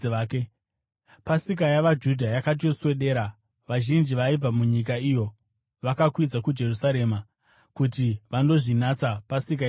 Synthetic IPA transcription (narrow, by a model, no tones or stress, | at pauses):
ke | pasik̬ajaʋad͡ʒudʱajakat̬ijoswe̞ɗe̞ːɾa | ʋaʒind͡ʒiʋaib͡vamuɲik̬aijo̞ | ʋakakwid͡zakud͡ʒe̞rusaɾe̞ːma | kutiʋando̞ʐinat͡sapasik̬a